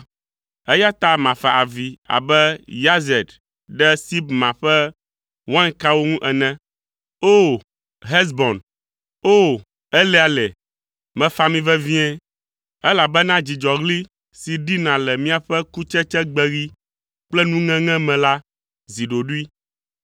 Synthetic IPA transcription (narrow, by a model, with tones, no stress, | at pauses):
ɛ˦ja˦t̪a˦mã˨fa˨ʔa˨vi˨a̰˨bɛ˦ja˦zɛ˨d̪ | ɖɛ˦si˦bmã˨ɸɛ˦ | wã˦ŋka˦wo˦ŋũ˦ʔɛ˨nɛ̃˦ | o˦ | ɦɛ˦s̬bɔ˨n | o˦˨ | ɛ˦lɛ˦a˨lɛ˨ | mɛ̃˨fa˦mĩ˦vɛ˦vĩ˦ɛ̃˦ | ɛ˦la˨bɛ˦nã˦d͡ʑi˨d͡ʒɔ˨ɣli˦ | si˨ɖi˦nã˨lɛ˨mĩ˦a˨ɸɛ˦ku˦t͡ʃɛ˦t͡ʃɛ˦ɡ͡bɛ˦ɣi˦ | k͡plɛ˦nũ˦ŋɛ̃˦ŋɛ̃˦mɛ̃˨la˦ | zi˨ɖo˨ɖu˦i˦